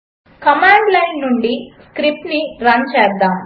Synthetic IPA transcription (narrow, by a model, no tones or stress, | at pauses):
kɐmaːɳɖlɐjnːuɳɖiskɾip̚ʈniɾɐnt͡ʃɛːɾd̪aːm